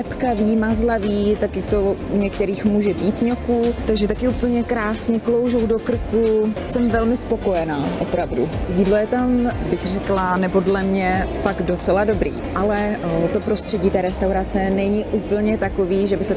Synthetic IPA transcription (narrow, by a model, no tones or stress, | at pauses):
ɛpkaviːmazlaviːt̪akjakt̪o̞ɲɛkt̪ɛɾiːxmuːʒɛbiːt̪ɲokut̪aɡʒɛt̪akɪuːpl̩ɲɛkɾaːsɲɛklo̞wʒowdo̞kr̩kusɛmvɛlmɪspo̞ko̞jɛnaːʔo̞pɾavdujiːdlo̞jɛt̪ambɪxr̝ɛklanɛbodlɛmɲɛfaɡt̪̚do̞t͡sɛlado̞bɾḭːʔalɛt̪o̞pɾo̞st̪r̝̥ɛɟiːt̪ɛːɾɛst̪awɾat͡sɛnɛɲɪʔuːpl̩ɲɛt̪akoviːʒɛbɪsɛ